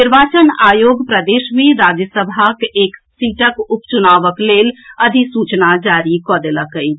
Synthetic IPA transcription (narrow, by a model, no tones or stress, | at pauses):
niɾbat͡ʃənaːjoɡpɾəd̪esmẽɾad͡ʒəsəbʱakeksiʈəkupt͡ʃunaʋəkleləd̪ʱisut͡ʃnad͡ʒaɾikɔd̪eləkəɪ